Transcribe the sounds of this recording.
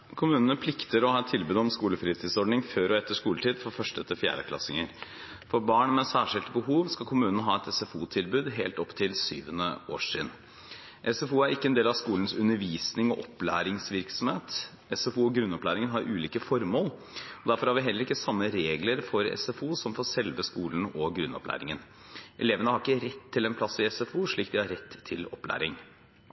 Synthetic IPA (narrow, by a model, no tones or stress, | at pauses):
kʰʊmʉːnənəpʰlɪkt̪əɾɔhɑːɛt̪ʰɪlbʉːd̪ɔmskuːləfɾiːt̪ʰɪːd̪sɔɖnɪŋføːɾɔɛt̪ːəʂkuːləʈ̪ʰiːd̪fɔɾfœʂʈəɛt̪ʰːəfjæ̰ːɖəkʰlɑ̰sɪŋəɾ | fɔɾbɑːɳmɛsæːʂɪlt̪bəhuːʋskɑkʰʊmʉːnənəɦɑːɛt̪ɛsɛfuːt̪ʰɪlbʉːd̪ɦeːlt̪ɔpːt̪ʰɪlsyːʋənə̰o̰ːʂḭːd̪ | ʔɛsɛfuːæɾɪkːəɛnd̪eːlɑʋskuːlən̩sʉnːəɾʋiːsnɪŋɔʔɔpːlæ̰ːɾɪŋsʋɪɾksɔm̩heːt̪ | ɛsɛfuːɔɡɾʉnːɔplæːɾɪŋənɦɑːʔʉːliːkəfɔɾmoːl | ɔd̪æɾfɔɾhɑɾʋɪɦɛlːəɾɪkːəsɑmːəɾeːɡləɾfɔɾɛ̰sɛfuːsɔmfɔsɛlʋəskuːln̩ɔɡɾʉnːɔ̰plæ̰ːɾɪŋən | ʔɛleːʋənəhɑɾɪkːəɾɛt̪ʰːɪlɛnpʰlɑsːɪɛsɛfuːʂɭiːk̚d̪ɪhɑɾɛt̪ːʰɪlɔplæ̰ːɾɪŋ